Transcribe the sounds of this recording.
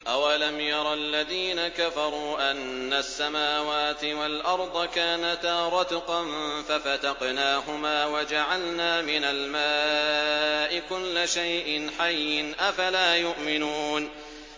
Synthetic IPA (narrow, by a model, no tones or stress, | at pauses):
ʔawalamjɑɾˤɑlːaðiːnakafɑɾˤuːʔanːasːamaːwaːt̪ɪwalʔɑɾˤd̪ˤɑkaːnat̪aːɾˤɑd̪qɑnfafat̪ɑqnaːɦʊmaːwad͡ʒaʕalnaːmɪnalmaː | ʔɪkʊlːaʃajʔɪnħajːɪnʔafalaːjʊʔmɪnuːn